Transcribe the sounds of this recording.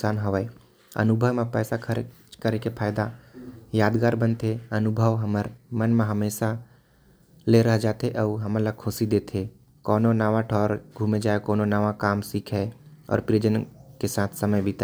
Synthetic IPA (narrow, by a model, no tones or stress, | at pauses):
saːnɦoʋəe | ə̰nʊbʱəwmẽpɛːsakʰ | kəɾekepʰaːjd̪ajaːd̪ɡaːɾbə̃nt̪eənʊbʱəʋɦəməɾmənmẽɦəmeːʃa | leɾəɦd͡ʒaːt̪eʔəɦəmələkʰʊsid̪eːt̪ʰe | kɔːnonaʋaʈʰɔːɾɡʱũːmed͡ʒaːekɔːnonəʋakaːmsiːkʰɛɔ̰ːɾpɾiəd͡ʒənkesaːt̪ʰsəməjbʱit̪a